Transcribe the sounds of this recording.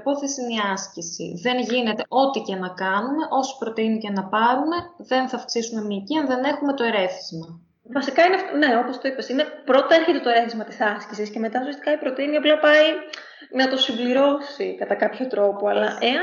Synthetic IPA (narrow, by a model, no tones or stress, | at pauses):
po̞θesiniɐscisḭðe̞nʝine̞t̪e̞ʔo̞t̪icenɐkɐnume̞ʔo̞si̥pɾo̞t̪inicenɐpɐɾume̞ðe̞nθɐfksisume̞niciɐnðe̞ne̞xume̞t̪o̞e̞ɾe̞θizmɐ | vɐsikɐinefne̞o̞post̪o̞ipesine̞pɾo̞t̪ɐeɾçet̪e̞t̪o̞e̞ɾe̞θizmɐt̪isɐscisisce̞me̞t̪ɐosiɐst̪ikɐipɾo̞t̪iniɐplɐpɐi | nɐt̪o̞simbliɾo̞sikɐt̪ɐkɐpço̞t̪ɾo̞po̞ɐlɐʔe̞